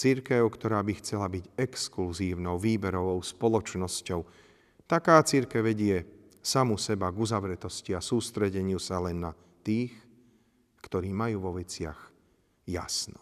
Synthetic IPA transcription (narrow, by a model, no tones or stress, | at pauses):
t͡siɾkɛʊkt̪ɔɾaːbixt͡sɛlabiɟɛkskluziːʊnɔʊʋiːbɛɾɔʋɔʊspɔlɔt͡ʃnɔscɔʊ | t̪akaːt͡siɾkɛʋɛɟɪɛ | samusɛbaɡuzaʋɾɛt̪ɔsciasuːst̪ɾɛɟɛɲɪusalɛnːa | t̪iːx | kt̪ɔɾiːmajuːʋɔʋɛt͡sɪa̰x | ja̰snɔ